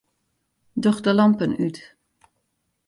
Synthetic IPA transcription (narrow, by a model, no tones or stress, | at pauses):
dɔχdəlɑmpənyt